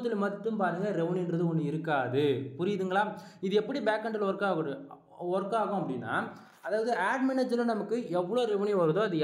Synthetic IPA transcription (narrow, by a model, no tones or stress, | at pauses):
t̪ːɪlmɐt̪ːɯmpaːɾɯŋɡɐɾɛʋɐniɪndɾɐðɯɔnːɯɪɾɯkːaːðɯpʊɾɪðɯŋɡɐɭaːɪðɯɛpːɐɽibaːkːɐɳɖɪlɔɾɐkːaːɣɯɽɯ | ɔɾɐkːaːɣʊ̃ɐpːɐɽɪnːa̰ː | ɐðaːʋɐðɯaːɖmɛnɐd͡ʒɐlɐnɐmɐkːɯɛʋːɐɭoːɾɛʋɐniʋɐɾɐðõːɐðɯ